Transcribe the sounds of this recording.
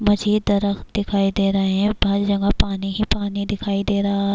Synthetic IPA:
mɐd͡ʒiːd̪ːɐɾəxt̪d̪ɪkʰaːid̪eːɾɐɦẽɦɛ̃bãːd͡ʒd͡ʒɐ̃ŋɡapaːniɦipaːnid̪ɪkʰaːid̪eːɾɐɦa

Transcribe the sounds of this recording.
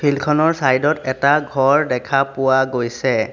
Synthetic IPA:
pʰilkʰɔnɔɹsajdɔtɛtaɡʱɔɹdɛkʰapʊwaɡojsɛ

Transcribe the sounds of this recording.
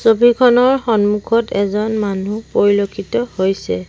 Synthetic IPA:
sobʱikʰɔnɔɹxɔnmukʰɔtɛzɔnmanupoɹilokʰitɔhojsɛ

